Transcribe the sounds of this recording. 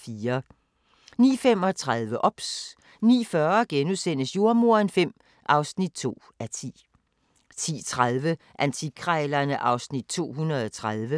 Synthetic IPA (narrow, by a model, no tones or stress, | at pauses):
fiːɐ | nḭːfem̰ɒ̽t͡sʰʁað̞ˠʋəʔɒ̽b̥s | nḭːfɶɐɡ̥enuðˠsen̰əsjoɐmo̝ɐnfem̰ | ʔɑ̈ʊsnid̥̚t͡sʰo̝̰ː | æt͡sʰḭː | t͡sʰḭːt͡sʰʁaðˠʋə | ʔænt͡sʰikʰʁalɐnəʔɑ̈ʊsnid̥̚t͡sʰo̝̰ːɦunɐðˠɒt͡sʰʁað̞ˠʋə